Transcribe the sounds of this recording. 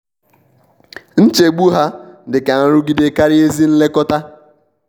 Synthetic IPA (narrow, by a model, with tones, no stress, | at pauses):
n̩˦t͡ʃe˨ɡ͡bu˦ɦa˦dɪ˨ka˨a˦ɾʊ˦ɡi˦de˨ka˦ɾɪ˦e˦zi˦n̩˦le˦kɔ˦ta˦